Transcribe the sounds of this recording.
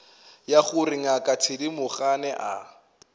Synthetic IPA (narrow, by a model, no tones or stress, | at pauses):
jaχʊrɪŋakʼatʰɪdimʊχanɛʔa